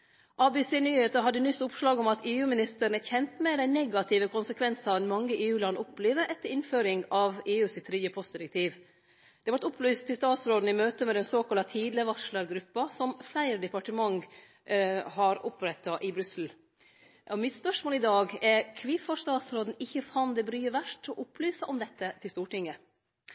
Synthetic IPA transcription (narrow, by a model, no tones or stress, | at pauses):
ʔɑːbɛseːnyːheːt̪əɦɑd̪ːənʏsːʊpʂlɑːɡɔmɑt̪ʰeːʉːmɪnɪst̪əɾəɳ̩əçɛnt̪meːɾænɛɡɑt̪ʰɪːʋəkʰʊnsəkʰʋɛnsɑʋd̪ɛnmɑŋːəʔeːʉːlɑnːəʊpleːʋəɾʔɛt̪ːəɾɪnføːɾɪŋɑʋeːʉːsɪt̪ʰːɾʏːəpʰɔst̪d̪ɪɾɛk̚t̪ʰiːʋ | d̪̥ɛʋɑɾʈ̪ʊpʰlyːst̪ʰːɪlst̪ɑːt̪sɾoːd̪n̩ɪmøːt̪əmɛd̪ɛnsoːkɑlɑt̪ʰiːd̪ləʋɑʂləɾɡɾʉpːɑsɔmflæɪɾəd̪ɛpɑʈəmɑŋ | hɑɾʔʊpɾɛt̪ːɑʔɪbɾʉsl̩ | ɔmɪt̪spœʂmoːlɪd̪ɑːɡɛɾkʰʋiːfɑʂt̪ɑːt̪sɾoːd̪n̩ɪçːəfɑnd̪ɛbɾyːəʋæʂʈɔʔʊplyːsɑʔɔmd̪ɛt̪ːət̪ʰɪlst̪uːʈɪŋːə